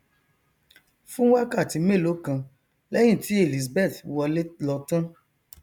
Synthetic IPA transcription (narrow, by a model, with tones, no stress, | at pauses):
fũ˦wa˦ka˦˨ti˨˦me˦˨lo˨˦kã˧ | lɛ˦j̃ĩ˦˨ti˨˦e˦˨li˨s̬bɛ˦˨twɔ˧le˦lɔ˧tɔ̃˦